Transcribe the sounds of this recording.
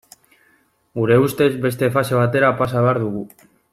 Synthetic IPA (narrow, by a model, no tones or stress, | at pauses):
ɡuɾe̞ust̪e̞zbe̞st̪e̞fase̞β̞at̪e̞ɾapasaβe̞aɾðuɣ̞u